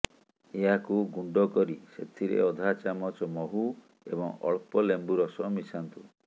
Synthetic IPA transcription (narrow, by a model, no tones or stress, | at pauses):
eɦakuɡuɳɖɔkɔɾiset̪ʰiɾḛɔd̪ʱat͡ʃamɔt͡ʃɔmɔɦu | ḛbɔŋɔ̰ɭ̚pɔlembuɾɔsɔmisant̪u